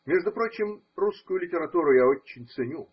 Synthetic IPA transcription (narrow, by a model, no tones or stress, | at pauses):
mʲeʐd̪ʊpɾo̞t͡ɕɪmruskʊjʊlʲɪtʲɪɾɐt̪uɾʊjaot͡ɕːɪnʲt̪sɨnʲu